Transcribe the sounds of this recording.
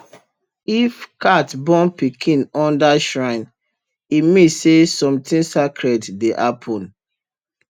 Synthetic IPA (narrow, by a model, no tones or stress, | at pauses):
ifkatbɔ̃npikʰĩnɔ̃ndaʃɹãɪ̃n | imesesɔ̃mtĩnsakɹɛtdeʔa̰pʰɔ̃n